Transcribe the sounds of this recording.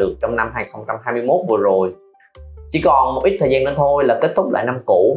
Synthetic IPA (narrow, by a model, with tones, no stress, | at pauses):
ɨ˨˩ək̚t͡ɕɔ˧wŋ͡mna˧mɦaː˧˩jxə˧wŋ͡mt͡ɕa˧mɦaː˧jmɨ˧əjmo˦˥t̚vɨ˨˩əzo˨˩j | t͡ɕi˧˩˦kɔ˨˩nmo˨˩t̚ʔi˦˥t̪ʰə˨˩zaː˧nə˧nt̪ʰo˧jlaː˨˩ke˦˥t̚t̪ʰʊ˦˥k͡p̚la̰ː˧˨na˧mku˧˩˥